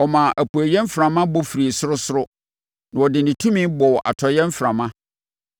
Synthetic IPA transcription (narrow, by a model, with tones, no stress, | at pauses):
ɔ˨mã˨ʔæ˨pu˨æ˨jɛ̃˦m̩˦fɾã˨mã˦bɔ˦fi˨ɾi˨sʊ˦ʊ˦sʊ˦ɾʊ˦ | nã˨ɔ˨dɪ˨nɪ̃˨tʰũ˦mĩ˦bɔ˨ʔa̰˨tʰɔ˨jɛ̃˦m̩˦fɾã˨mã˦